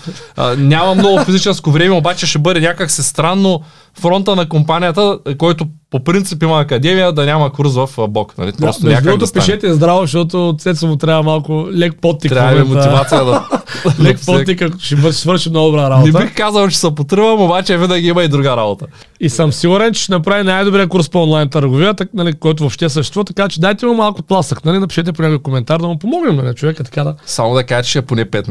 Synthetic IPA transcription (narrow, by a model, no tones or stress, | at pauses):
ənʲamɐmnɔɡʊfizit͡ʃɛnskovɾɛmɛobat͡ʃɛʃɛbəd̪ɛnʲakəksist̪ɾanːo | fɾɔnt̪ənɐkompanʲijət̪əkɔjt̪opopɾint̪sipimɐːkɐd̪ɛmijəd̪ɐnʲamɐkuɾs̬vɐfbɔknɐ̰lip̪ɾɔst̪onʲakd̪ɾuɡot̪ospiʃɛt̪ɛɛzd̪ɾavoʃt̪ɔt̪̬osɛt̪sɐmot̪ɾʲaɐmalˠkʊlɛk̚pɔt̪nik̪ɾʲaimɛmoivat̪sijəd̪ɐlɛkppɔt̪ikəʃivəɾʃi̥svəɾʃimnɔɡʊd̪obɾaɾaboɛbixkazɐlˠt͡ʃɛ̥sɐpot̪ɾɨvɐmobat͡ʃɛvinaɡiimɐid̪ɾuɡaɾabot̪ə | isəmsiɡʊɾɛnt͡ʃɛ̥ʃɛnɐpɾavinajd̪obɾiəkuɾspɔnlˠajnt̪ɐɾɡʊviət̪ɐnɐlikɔjt̪ʊvopʃt̪ɛs̬ɐʃt̪ɛst̪vuvɐt̪ɐkat͡ʃɛd̪ajt̪ɛimɐmalˠkʊp̪lˠasəknalid̪ɐpi̥ʃɛt̪̬ɛpoʊnʲakojkomɛnt̪aɾd̪ɐmʊpomɔɡnimnɐlʲit͡ʃovɛkəit̪ɐ̥kad̪ɐsamod̪ɐkaʒɛt͡ʃɛponɛpɛt̪n